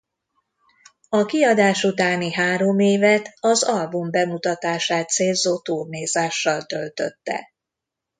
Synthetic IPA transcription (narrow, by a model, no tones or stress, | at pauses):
ɒkiɒd̪aːʃut̪aːniɦaːɾo̞meːvɛt̪ɒzɒlbumbɛmut̪ɒt̪aːʃaːt̪seːlzoːt̪uːrneːzaːʃːɒlt̪ølt̪ø̰t̪ːɛ̰